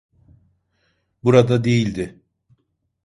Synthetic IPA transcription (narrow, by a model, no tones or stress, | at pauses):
buɾad̪ad̪e̞jilʲd̪ɪ